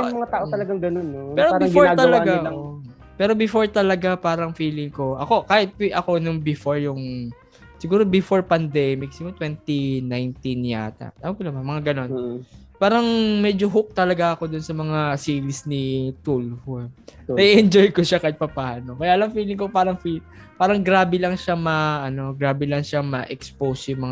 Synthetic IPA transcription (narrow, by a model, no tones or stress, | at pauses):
mɐŋat̪aːʔoɐlɐɡaŋɡɐnonːopɛːɾobɪfoɹɡ̪ɐlɐɡao | pɛːɾo̞bɪfo̞ɹt̪ɐlɐɡapaːɾɐŋfiːlɪŋko̞ʔɐko̞kaːhɪt̪̚kiʔɐko̞nʊŋbɪfoɹjʊŋ | sɪɡuːɾobɪfoɹpɐnd̪ɛmɪk̚sɪɡut̪wɛnt̪inajnt̪inja̰ːt̪ɐ̰ʔt̪aːmɐkolamɐmɐŋaɡɐno̞npaːɾɐŋmɛd͡ʒoɦʊk̚t̪ɐlɐɡaɐko̞d̪ʊnsɐmɐŋasiːɾɪsnit̪ulhonɐʔiʔɛnd͡ʒojkoʃakɐɪt̪̚pɐpaːno̞kɐjaːʔɐlɐŋfiːlɪŋkopaːɾɐŋfil | paːɾɐŋɡɾaːbɪlɐŋʃamɐʔɐno̞ɡɾaːbɪlɐŋʃamɐʔɛkspowsjʊmɐŋa